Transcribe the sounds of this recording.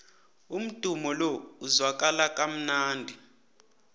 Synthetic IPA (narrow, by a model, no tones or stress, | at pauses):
um̩d̥ʼʱumɔlɔuzwak̬ʼalakʼam̩naːndʱi